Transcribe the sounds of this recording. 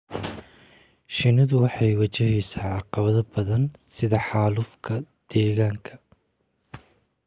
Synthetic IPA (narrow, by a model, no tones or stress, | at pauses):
ʃɪnɪðʊwɑħɑjwɐt͡ʃɐɦiːsaːʕɑqɑβɐðɐbɐðɐnsɪðɐħɑːlʊfkʰɐd̪̥ɛːɣaːŋkʰɐ